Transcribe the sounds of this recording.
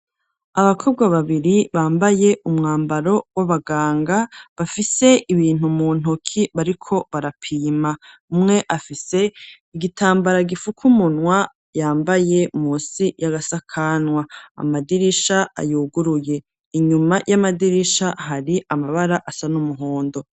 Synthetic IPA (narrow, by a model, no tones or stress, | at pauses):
aβakʰo̞b̚ɡwaβaβiɾiβaːmbaje̞ʔumŋaːmbaɾo̞waβaɡaːŋɡaβafise̞ʔiβiːn̥umuːn̥okʰiβaɾikʰo̞βaɾapʰiːma | umŋe̞ʔafise̞ | iɡitʰaːmbaɾaɡifukʰumunŋwa | jaːmbaje̞muːsijaɡasakʰanwaa̰madiɾiʃaa̰juːɡuɾuje̞ | iɲumajʔamadiɾiʃaɦaɾiʔamaβaɾaʔasanumuɦoːndo̞